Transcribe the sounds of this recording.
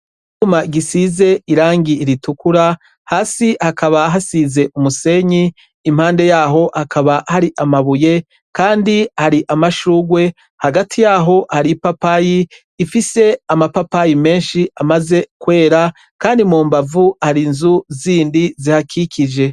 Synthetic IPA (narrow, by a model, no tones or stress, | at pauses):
umaɡisize̞iɾaːŋɡiːɾitukuɾa | haːsihakaβaɦasize̞ʔumuse̞ɲiː | m̥haːnde̞jaːɦo̞ʔhakʰaβahaɾiʔamaβuje̞ | kaːndihaɾiʔamaʃuːɡwe̞ | haɡatʰijaːɦo̞haɾipapajiː | fise̞amapapajime̞ːnʃiamaze̞kwe̞ːɾa | kaːndimuːmbavuhaɾinzuziːndizihakʰikʰid͡ʒe̞